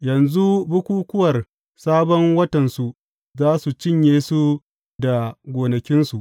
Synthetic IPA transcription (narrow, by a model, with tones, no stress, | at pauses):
jɐ˨nzu˦bʊ˦kʷuː˦kʷʊ˦wɐ˨r | saː˦bɔ˦ŋwɐ˦tɐ˨nsu˨ | zaː˦su˨t͡ʃɪ˦ɲjeː˦su˦ | da˨ɡʷoː˨nɐ˨kʲɪ˦nsu˨ʔ